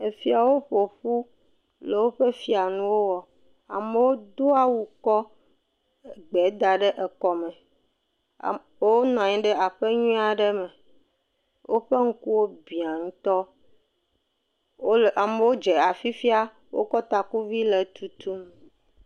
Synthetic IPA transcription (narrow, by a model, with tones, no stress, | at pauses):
e˨fi˨a˨wo˦ɸo˨ɸu˦ | le˨wo˦ɸe˦fi˦a˨nũ˦wo˦wɔ˨ | a̰˨me˦wo˦d̪o˦a˦wu˨kɔ˦˨ | ɡ͡bɛ˨˦d̪a˨ɖe˦ʔe˨kɔ˨mɛ̃˨ | wo˦nɔ̃˨a˨ɲĩ˦ɖɛ˦a˨ɸe˦ɲũ˦a˨ɖe˦mɛ̃˨ | wʔo˦ɸe˦ŋ̩˦ku˦wo˦bi˨a˨ŋũ˦t̪ɔ˦˨ | a˨mẽ˦wo˦d͡ʒe˨a˨fi˦fi˦a˦ | wʔo̰˦kɔ˦t̪a˨ku˦vi˦le˨t̪u˨t̪ʰu˦m˨